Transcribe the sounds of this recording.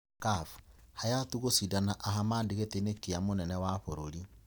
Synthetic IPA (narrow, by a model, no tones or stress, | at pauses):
kafhajatuɣosidanaʔaɦamaːndeɣetenekiamonɛnɛwaɸoɾoli